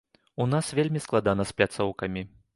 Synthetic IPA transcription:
unasvʲelʲmʲisklˠad̪anɐsplʲat̪sɔwkɐmʲi

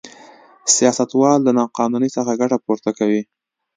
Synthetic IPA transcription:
sijɑsat̪wɑldənɑqɑnunisəxaɡaʈapoɾt̪akawi

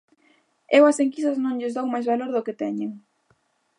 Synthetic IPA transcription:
ewɐseŋkist̪aznõŋʎɪzðowmajzβaloɾðʊket̪ɛɲeŋ

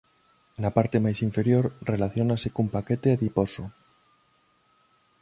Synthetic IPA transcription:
napaɾt̪emajsiɱfeɾjoɾrelaθjonasekumpaket̪eaðiposo

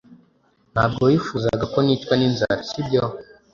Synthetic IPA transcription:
nha̰ːb̚ɡojifuza̰ɡakonitwaninza̰ɾasibjo

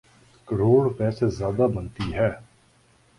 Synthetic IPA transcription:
kəɾoːɽpɛːsezjaːd̪aːbənt̪iːɦɛː

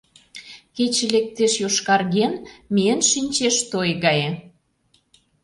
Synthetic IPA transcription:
ket͡ɕelek̚t̪eʃjoʃkɑrɣenmʲiənʃinʲt͡ɕeʃt̪ojɣɑje

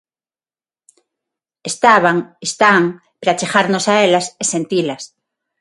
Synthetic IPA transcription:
est̪aβaŋest̪aŋ | pɾat͡ʃeχaɾnosaelasesẽnt̪ilas

